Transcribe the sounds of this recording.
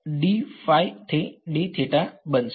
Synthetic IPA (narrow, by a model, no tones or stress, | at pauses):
ɖifaːit̪ʰeɗet̪ʰeʈabəns